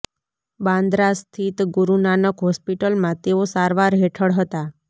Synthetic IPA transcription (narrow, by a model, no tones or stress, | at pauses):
bãnd̪ɾast̪ʰit̪ɡuɾunanəkɦɔspiʈəlmãt̪eosaɾʋaɾɦeʈʰəɽɦət̪a